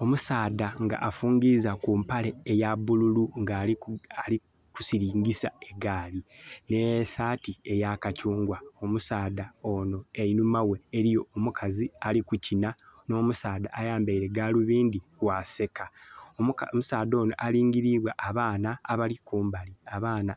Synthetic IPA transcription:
o̞musaːdaŋɡa̰ʔːfuːŋɡizakuːmpaleːjaβululuŋɡaali | ku̥siɾiːŋɡisa̰e̞ɡaːline̞saːtie̞jakacuːŋɡwaomusaːdao̞no̞einumawe̞eɾijo̞ːmukʰazialikucinano̞ːmusaːd̪aʔːjaːmbeiɾe̞ɡaluβiːnd̪iwase̞kaommusaːd̪o̞ːnoʔaliːŋɡiɾiβwaʔaβaːnaːβalikuːmbaliaβaːna

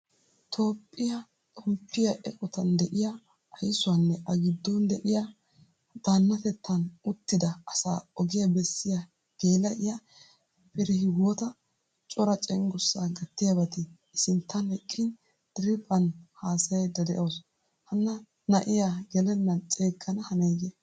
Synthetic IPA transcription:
t̪ʰo̞ːpʼːɪjɐ | tʼɔmpːɪjɐʔɛkʼɔt̪ɐnd̪ɛʔɪjɐ | ɐjsʊwɐnːɛʔɐɡɪd̪ːɔnd̪ɛʔɪja | d̪̥aːnːɐt̪ɛt̪ːɐnʊt̪ːɪd̪ɐɐsa̰ːɔɡɪjɐbɛsːɪjɐ | ɡ̥eːlɐʔɪjɐ | pɛɾɛhɪɡɔt̪ɐ | t͡ʃʼɔɾɐt͡ʃʼɛŋɡʊsːaɡɐt̪ːɪjɐbɐt̪ɪː | sɪnt̪ʰːɐnɛkʼːɪn | d̪̥ɪɾɪpʼɐnhaːsɐjɛd̪ɐd̪ɛʔɐws | hɐnːɐ | nɐʔɪjaɡɛlɛnːɐt͡ʃʼeːkːɐnɐhɐnɐjɡɛ

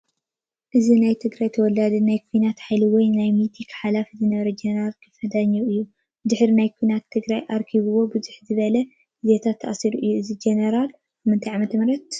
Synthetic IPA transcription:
ʔɨzinajt̪ʰɨɡɾajt̪ʰɐwɔlad̪ɐnajkʰujnat̪ħajliwɔjnajmit̪ʰikħalafizɨnɐβɐɾɐd͡ʒenɐɾalkʰɐ̥fɐd̪aɲːɐʔɨjːu | d̪ɨħɾinajkʰujnat̪ʰːɨɡɾajʔaɾkʰiβɨwo̞bɨzuħzɨβɐlɐ | ɨzet̪ʰat̪ʰːɐ̰ʔasiɾuʔɨjːuɨzid͡ʒenɐɾalʰ | mɨnt̪ʰajʕamɐt̪ʰmɾɐt̪̚

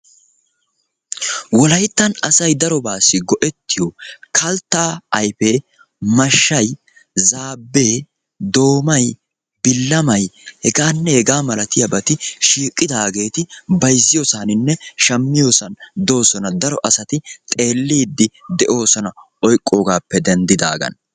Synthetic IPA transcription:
wɔlɐjt̪ːɐnɐsɐjd̪ɐɾɔbaːsːɪɡɔʔɛt̪ːɪjokʰɐlt̪ːaːɐjfe̞ː | mɐʃːɐj | zaːbːe̞ː | d̪o̞ːmɐj | bɪlːɐmɐjhɛɡaːnːɛhɛɡaːmɐlɐt̪ɪjɐbɐt̪ɪʃiːkʼːɪd̪aːɡe̞ːt̪ɪbɐjzːɪjɔsaːnɪnːɛʃɐmːɪjoːsɐnd̪o̞ːsɔnɐd̪ɐɾɔʔɐsɐt̪ɪt̪ʼe̞ːlːiːd̪ːɪd̪ɛʔo̞ːsɔnɐ | ɔjkʼːo̞ːɡaːpːɛd̪ɛnd̪ɪd̪a̰ːɡɐ̰n

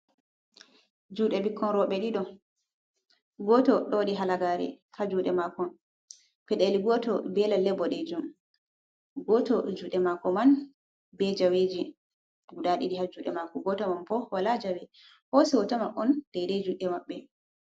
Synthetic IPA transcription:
d͡ʒuɗɛbikːɔnɾɔɓɛɗiɗɔ | ɡɔtɔɗɔɗiɦalaɡaːɾɛ̰ | had͡ʒuɗɛmakɔn | pɛɗeliɡɔtɔbɛlalːɛbɔɗɛd͡ʒum | ɡɔtɔd͡ʒuɗɛmakɔman | bɛd͡ʒaweːd͡ʒi | ɡuɗaɗiɗihad͡ʒuɗɛmakɔɡɔtɔmanpɔwalad͡ʒawɛ | hosɛwɔtɔmanʔɔnd̥ɛjɗɛd͡ʒuɗɛmaɓːɛ

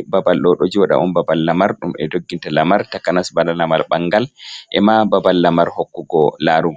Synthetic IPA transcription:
babalɗɔɗod͡ʒiwaɗa̰ʔunbabalːamaɾɗumɛdoɡːintalamaɾtakːanasbalalamalɓaŋɡalʔɛmababalːamaɾhokːuɡɔlaɾu

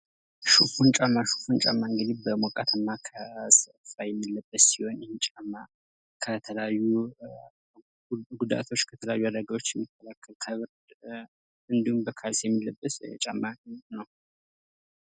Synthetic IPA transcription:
ʃufunt͡ʃʼamːaʃu̥funt͡ʃʼa̰mːaɨŋɡɨd̪ibəmwɔkʼat̪ʰəmːakʰəsəfajɛmːilːəbːəssiho̞njɛhet͡ʃʼamːa | kʰət̪ʰələjajːu | ɡud̪a̰t̪ʰo̞t͡ʃːkʰət̪ʰələjajːuad̪əɡawo̞t͡ʃːjɛmːikʰːəlʰakʰːəlkʰəβɨɾd̪ | ɨnd̪ihumbəkʰalsjɛmːilːəbːəst͡ʃʼamːanəw

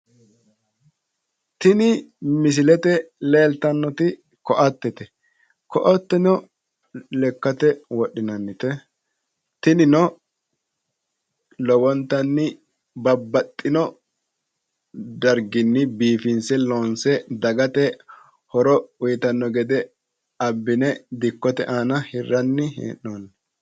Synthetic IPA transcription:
t̪ɪnɪmɪs̬ɪlɛt̪ɛleːlt̪ɐnːɔt̪ɪ | kɔʔɐt̪ːɛt̪ɛ | kɔʔɔt̪ːɛnɔ | lɛkːɐt̪ɛwɔɗːɪnɐnːɪt̪ɛ | t̪ɪnɪnɔ | lɔwɔnt̪ːɐnːɪ | bɐbːɐt̪ʼːɪnɔ | d̪ɐɾɡɪnːɪbiːfɪnsɛloːnsɛd̪ɐɡɐt̪ɛ | hɔɾɔʊjɪt̪ɐnːɔɡɛd̪ɛ | ɐbːɪnɛd̪ɪkːɔt̪ɛ̰ʔaːnɐhɪrːɐnːɪɦḛːnːonː

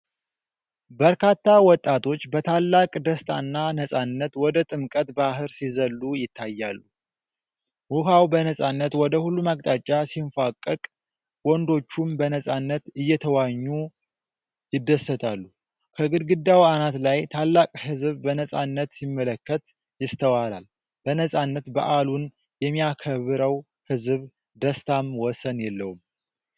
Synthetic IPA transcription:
bəɾkʰat̪ːawɔt̪ʼːat̪ʰo̞t͡ʃːbət̪ʰalːakʼd̪əst̪ʰa̰nːanəsʼanːət̪wɔd̪ət̪ʼɨmkʼət̪baɦɨɾsizəlːujɪt̪ʰːajːalːu | wuɦawbənəsʼanːət̪wɔd̪əhulːumakʼt̪ʼat͡ʃʼːasiɱfakʼːəkʼ | wɔnd̪o̞t͡ʃːumbənəsʼanːət̪ɨjːɛt̪ʰəwaɲːu | jɪd̪ːəsːət̪ʰalːu | kʰəɡɨd̪ɡɨd̪ːawanat̪lajt̪ʰalːakʼhɨzβbənəsʼa̰nːət̪simːələkːət̪ | jɪst̪ʰəwala̰l | bənəsʼanːət̪ba̰ʔalun | jɛmːijakʰəβɨɾəw | hɨzβ | d̪əst̪ʰamwɔsənjɛlːəwum

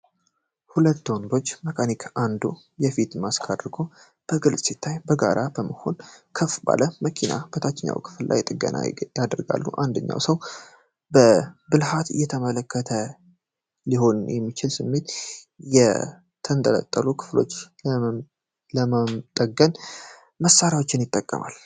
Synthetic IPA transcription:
hulət̪ːond̪o̞t͡ʃːməkʰanikʰʔand̪u | jɛfit̪maskʰad̪ɾɡo̞ | b̥əɡɨlsʼsit̪ʰːajbəɡa̰ɾʔabəməho̞̰nkʰəfba̰ləməkʰina̰b̥ət̪ʰat͡ʃːɪɲːa̰wkʰɨ̥flla̰jt̪ʼɨɡə̰n̰jad̪əɾɡa̰lːuʔand̪əɲːa̰wsəw | bəbɨlhat̪ɨ̰jːɛt̪ʰəmələkʰːət̪ʰə | liho̞njɛmːit͡ʃɪlsɨmːe̞t̪ | jɛ | t̪ʰənt̪ʼələ̰t̪ʼːəlukʰɨ̥flo̞̰t͡ʃː | ləmat̪ʼəɡən | məsːaɾjawo̞t͡ʃːɪnjɪt̪ʼːəkʼːə̰ma̰l

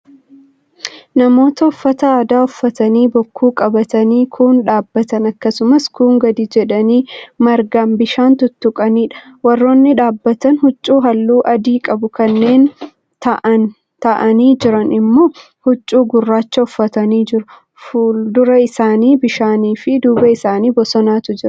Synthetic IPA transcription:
nɐmo̞ːt̪ɐɔfːɐt̪ɐaːd̪aːʊfːɐt̪ɐniːbɔkːuːkʼɐbɐt̪ɐniːkʰʊnᶑaːbːɐt̪ɐnɐkːɐsʊmɐskuːŋɡɐd̪id͡ʒɛᶑɐniːmɐɾɡambɪʃaːnt̪ʊt̪ːʊkʼɐniːᶑɐ̥wɐrːo̞ːnːɪᶑaːbːɐt̪ɐnhʊt͡ʃʼːuːɦɐlːuːʔɐd̪iːkʼɐbʊkɐnːe̞ːn | t̪ɐʔɐn | t̪ɐʔɐniːd͡ʒɪɾɐnɪmːo̞ː | hʊt͡ʃʼːuːɡʊrːaːt͡ʃːɐʊfːɐt̪ɐniːd͡ʒɪɾʊ | fud̪ʊɾɐɪsaːniːbɪʃaːniːfɪd̪uːbɐɪsaːniːbɔsɔnaːt̪ʊd͡ʒɪɾ

